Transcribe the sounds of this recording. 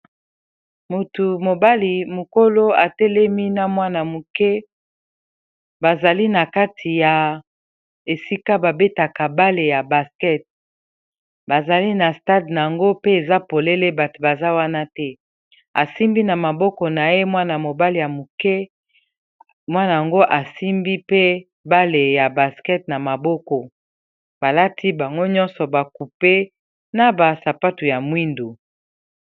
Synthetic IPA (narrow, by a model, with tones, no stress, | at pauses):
mu˨tu˨mo˨ba˦li˨mo˨ko˦lo˦a˨tɛ˦lɛ˦mi˦na˦mwa˦na˨mu˨kɛ˦ | ba˨za˨li˦na˨ka˦tʰi˨ja˨ | e˨si˦ka˦ba˨be˦ta˨ka˨ba˦le˨ja˨ba˨skɛ˦t̚ | ba˨za˨li˦na˨sta˦dna˨a˨ŋɡo˦pe˦e˨za˦po˨le˦le˦ba˨to˨ba˨za˦wa˦na˦tɛ˦ | a˨si˦mbi˦na˨ma˨bɔ˦kɔ˨na˨je˦mwa˦na˨mo˨ba˦li˨ja˨mu˨kɛ˦ | mwa˦na˨ja˨ŋɡo˦ʔa˨si˦mbi˦pe˦ | ba˦le˨ja˨ba˨skɛ˦t̚na˨ma˨bɔ˦kɔ˨ | ba˨la˦tʰi˦ba˨ŋɡo˦ɲɔ̃˦nsɔ˨ba˨ku˨pe˦ | na˨ba˨sa˨pa˦tu˨ja˨mwi˦ndo˨